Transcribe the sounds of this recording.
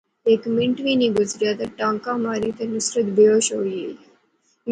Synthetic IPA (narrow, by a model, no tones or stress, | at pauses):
eːkmɪ̃ɳʈʋiːniːɡʊzɾjaːt̪aʈãːŋkãːmaːɾit̪enʊsɾət̪bejoːʃoːie